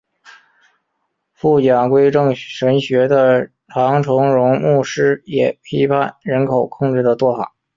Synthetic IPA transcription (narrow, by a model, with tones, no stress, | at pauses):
fu˥˩t͡ɕjɑ˨˩ŋkwe˥ɪʈ͡ʂɤ˥˩ŋʂə˧˥nɕɥɛ˧˥d̪ə˧ | t̪ʰɑ˧˥ŋʈ͡ʂʰʊ˧˥ŋɻʊ˧˥ŋmu˥˩ʂɻ̩˥jɛ˨˩pʰi˥pʰa˥˩nɻə˧˥nkʰo˨˩ʊkʰʊ˥˧ŋʈ͡ʂɻ̩˥˩d̪ə˩t͡swɔ˥˩fa̰˨˩˦